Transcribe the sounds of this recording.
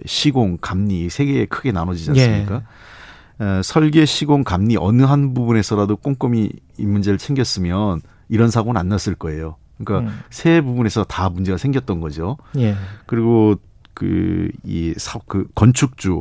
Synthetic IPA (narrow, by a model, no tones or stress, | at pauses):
ɕʰiɡoŋkamɲisʰe̞ɡe̞ːkʰɯɡe̞nanʌd͡ʑid͡ʑassɯɲik͈a | sʰʌɭɡe̞ɕʰiɡoŋkamɲiʔʌnɯɦanbubune̞sʰʌɾadok͈oŋk͈ʌmi | imːund͡ʑe̞ɾɯɭt͡ɕʰe̞ŋɡjʌs͈ɯmjʌn | iɾʌnsʰaɡoɯnanːas͈ɯɭk͈ʌe̞jo | ɯɲik͈asʰe̞bubune̞sʰʌtamund͡ʑe̞ɡasʰe̞ŋɡjʌt̚t͈ʌnɡʌd͡ʑojekɯɾiɡo | kɯ̰ḭsʰakɯkʌnt͡ɕʰuk̚t͡ɕ͈u